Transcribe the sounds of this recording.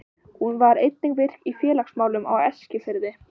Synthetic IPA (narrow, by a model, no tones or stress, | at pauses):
hunvaɾejt̪niŋkvɪr̥kifjɛːlaksmaːwlʏma̰wɛscɪfɪɾðɪ